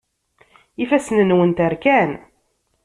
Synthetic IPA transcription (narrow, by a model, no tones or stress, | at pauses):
ifæsənənwənt̪əɾkæn